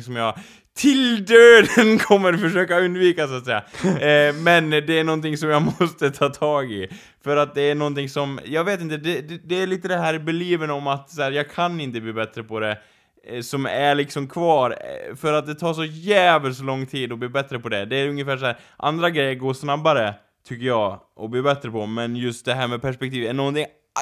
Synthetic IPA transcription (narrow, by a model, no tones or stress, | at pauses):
sɔmjɑ | t̪ʰɪld̪øːd̪ənkʰɔmːəɾfœʂøːkaɵnd̪viːkasat̪sɛjːa̰ | mɛnd̪ɛæɳnɔnt̪ɪŋsɔmjamɔst̪ət̪ʰɑːt̪ʰɑːɡɪ | fœɾat̪̚d̪ɛæɳɔnt̪ɪŋsɔmjɑːɡveːt̪ɪnt̪əd̪ɛd̪d̪ɛːɭiːt̪əd̪ɛɦæːɾbɛliːvənɔmat̪sæːɾjɑːɡkʰanɪnt̪əbliːbɛt̪ɾəpʰɔd̪ɛ | sɔmæɭɪksɔmkʰvɑːɾfœɾat̪̚d̪ɛt̪ʰɑːʂ̬ɔjæːvəlslɔŋːt̪ʰiːd̪ɔbliːbɛt̪ːɾəpɔd̪ɛd̪ɛːɾɵŋːəfæːʂæːɾ | ʔa̰nd̪ɾaɡɾɛjːəɾɡoːʂnabːaɾə | t̪ʰʏkːəjɑːʔɔbliːbɛt̪ːɾəpʰɔmɛnjɵst̪̚d̪ɛɦæːɾmɛpʰæʂpɛk̚t̪ʰiːvæɳɔnt̪ɪŋ